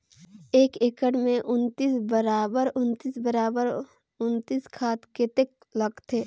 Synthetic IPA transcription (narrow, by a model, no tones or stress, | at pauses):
eːkekəɽmẽʔʊnt̪iːsbəɾaːbəɾʊnt̪iːsbəɾaːbəɾ | ʊnt̪iːskʰaːt̪ket̪ek̚ | ləɡt̪ʰeː